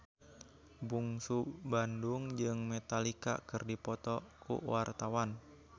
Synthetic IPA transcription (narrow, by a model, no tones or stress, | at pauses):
buŋsubanduŋd͡ʒɨŋmɛt̪alika̰kɨrdipɔt̪ɔkṵwart̪awan